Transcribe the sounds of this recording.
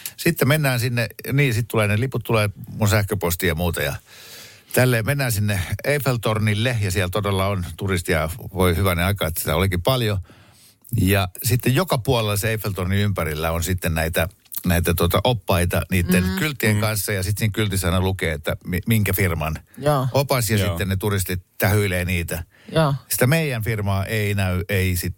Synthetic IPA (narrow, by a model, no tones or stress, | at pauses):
sit̪ːemmenːæːnsinːeniːjsit̪t̪uleːneliput̪t̪uleːmunsæhkøpost̪ijɑmuːt̪ɑjɑ | t̪ælːeːmenːæːnsinːeeifelt̪ornilːejɑsiælt̪odelːɑont̪urist̪iɑʋoihyʋæneɑikɑːet̪ːsi̥t̪æ̰olikippɑljo | jɑsit̪ːejjokɑpuolelseeifelt̪orniympærilːæonsit̪ːennæit̪æ | næit̪æt̪uot̪ɑʔopːɑit̪ɑ̰niːt̪ːenkylt̪ːieŋkɑnsːɑjɑsit̪siːŋkylt̪isɑinɑlukeːet̪ːæmimiŋkæfirmɑnːʔopɑsjɑsit̪ːennet̪urist̪it̪t̪æhyileːniːt̪æ | si̥t̪æmeijænfirmɑːʔeinæyeisit̪